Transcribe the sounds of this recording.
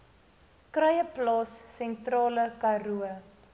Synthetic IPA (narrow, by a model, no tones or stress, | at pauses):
krɐjəplɑːsːɛntrɑːləkɐruə